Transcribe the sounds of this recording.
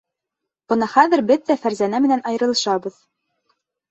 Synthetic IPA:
b̥ɤ̆nɑχæðɘ̆ɾbɘðːæfæɾzænæmɘ̆nænɑjɤ̆ɾɤ̆lˠɤ̆ʃɑbɤð

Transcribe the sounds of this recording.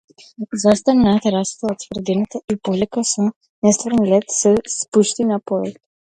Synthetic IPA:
zast̪annat̪aɾast̪aot̪svrd̪ɛnɛt̪aipɔvlɛkasɔ | nɛst̪vəɾnilɛt̪sɛspuʃt̪inapɔvɛk

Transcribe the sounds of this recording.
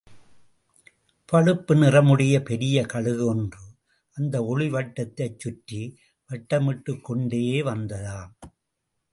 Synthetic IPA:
pɐɻɯpːɯnɪrɐmɯɽɐjɐpɛɾɪjɐkɐɻɯɣɯɔndrɯ | ʔɐnd̪ɐɔɻɪʋɐʈːɐt̪ːɐt͡ʃːʊʈːi | ʋɛʈːɐmɪʈːɯkːɔɳɖeːjeːʋɐnd̪ɐlaːm

